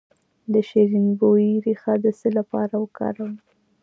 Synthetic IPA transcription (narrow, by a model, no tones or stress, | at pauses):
d̪əʃiɾinboiɾixad̪əsəlapɑɾawəkɑ̰ɾawəm